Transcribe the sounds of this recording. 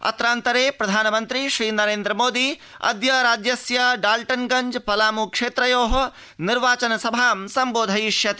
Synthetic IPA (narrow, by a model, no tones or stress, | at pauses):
ɐ̰t̪ɾaːnt̪ɐɾeːpɾɐd̪ʱaːnɐmɐnt̪ɾiʃɾiːnɐɾeːnd̪ɾɐmoːd̪iː | ɐ̰d̪jɐɾaːd͡ʒjɐsjɐɖaːlʈɐnɡɐɲd͡ʒpɐlaːmukʂeːt̪ɾɐjoːɦɐ | niɾʋaːt͡ʃɐnɐsɐbʱaːmsɐmboːd̪ʱɐjiʃjɐt̪i